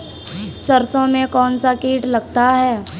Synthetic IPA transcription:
sɐɾsõmẽkɔːnsakeːʈlɐɡt̪aɦɛː

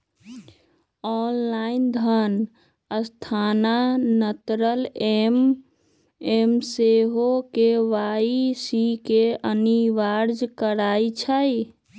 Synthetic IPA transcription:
ɔnlaind̪ʱən | əst̪ʰananət̪ɾəlem | emseɦokeʋaisikeəniʋaɾd͡ʒkəɾaːit͡ʃʰəj

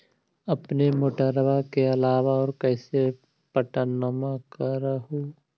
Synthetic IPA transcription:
ɐpnemoːʈəɾʋakeɐlaːʋaɔːɾkɛːse | pəʈənːəmakaɾəɦo

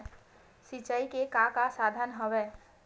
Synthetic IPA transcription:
sit͡ʃəikekãkasad̪ʱənɦəʋeː

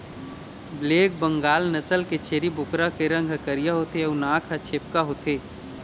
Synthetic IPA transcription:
bleːk̚bə̃ŋɡaːlnəsəlket͡ʃʰeːɾibʊkɾakeɾə̃ŋɡʱəkəɾijaɦoːt̪eʊnaːkʰɐt͡ʃʰeːp̚kaɦoːt̪eː

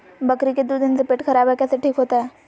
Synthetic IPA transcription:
bɐkɾiked̪ud̪ɪnsepeːʈxɐɾaːbɦɛkɛːseʈʰiːkɦoːt̪aɦɛː

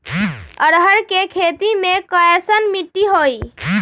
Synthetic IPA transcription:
əɾɦəɾkekʰeːt̪imẽkajəsənmiʈːiɦoːiː

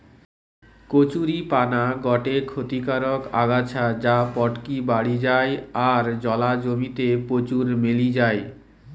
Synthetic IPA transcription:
kot͡ɕuɾipanaɡɔʈekʰot̪ikaɾoka̰ɡat͡ɕʰad͡ʑapɔʈkibaɽid͡ʑaeaɾd͡ʑɔlad͡ʑomit̪epot͡ɕuɾmelid͡ʑae

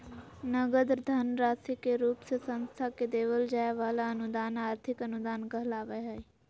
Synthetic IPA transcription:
nəɡəd̪ɾd̪ʱənɾaːsikeɾuːpsesə̃nst̪ʰaked̪eːʋəld͡ʒaːjaʋaːlaənʊd̪aːnaːɾt̪ʰɪkənʊd̪aːnɡəɦlaːʋəɦai

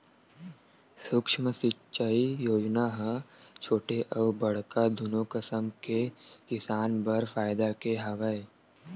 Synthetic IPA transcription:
sʊkʃməsɪtːʃaːijoːd͡ʒnaɦət͡ʃʰoːʈeʔɐʋbɐɽ̤kad̪ʊnokəsəmkekɪsaːnbɐɾfaːɪd̪akeɦɐʋəe

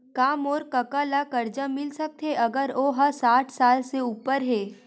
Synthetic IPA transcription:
kaːmɔːɾkɐkalakɐɾd͡ʒamɪlsɐk̚t̪ɦeɐɡəɾoːɦɐɾsaːʈʰsaːlseuːpəɾɦɛː

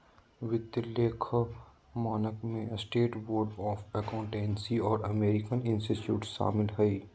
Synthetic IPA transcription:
ʋɪt̪ːɪlːeːkʰ | maːnəkmẽsʈeːʈboːɾɖɔːfɛkãʊ̃ɳʈẽːnsiɔːɾɐmeːɾɪkənɪ̃nsʈiʈjuːʈʃa̰ːmɪlɦɛiː

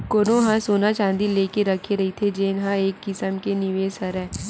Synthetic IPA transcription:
koːnõɦãsoːnat͡ʃãːnd̪ileːkeɾɐkʰeɾɐɦit̪ʰed͡ʒenɦãeːkːɪsəmkenɪʋeːsəɾɦɛ̃ː

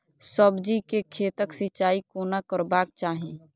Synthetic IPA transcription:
səbd͡ʒikekʰeːt̪əksɪt͡ʃaːikoːnakəɾbaːk̚t͡ʃaːɦẽː

